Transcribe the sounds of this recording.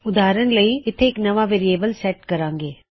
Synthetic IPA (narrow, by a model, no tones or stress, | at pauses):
ʊd̪aːɾənləiɪt̪ʰːeːknɐʋaʋeːɾijeːbəlsɛʈkɐɾãːŋɡeː